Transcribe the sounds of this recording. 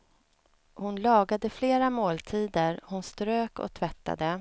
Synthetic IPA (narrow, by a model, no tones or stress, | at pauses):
hʊnlɑːɡad̪əfleːɾamoːlt̪ʰiːd̪əɾhʊnst̪ɾøːkɔ̰t̪ʰvɛt̪ːa̰d̪ə